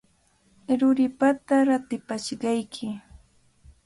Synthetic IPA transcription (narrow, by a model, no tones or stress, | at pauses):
ɾʊɾɪpat̪aɾat̪ɪpaʃɢɑjkʰɪ